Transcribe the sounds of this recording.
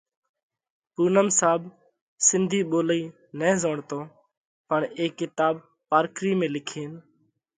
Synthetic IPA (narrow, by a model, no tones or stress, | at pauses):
puːnəmsaːb | sɪnd̪ʱiːɓoːləiː | nɛ̃ːzoːɳt̪õː | pəɳeːkːɪt̪aːb | paːɾkʰɾiːmẽːlɪkʰeːn